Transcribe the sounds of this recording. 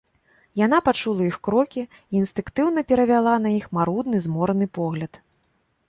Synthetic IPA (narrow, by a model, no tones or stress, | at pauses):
janapat͡ʂulˠɐixkɾɔkʲi | iːnst̪ɨŋkt̪ɨwnɐpʲɛɾɐvʲalˠanɐjixmaɾud̪nɨzmɔɾɐnɨpɔɣlʲɐt̪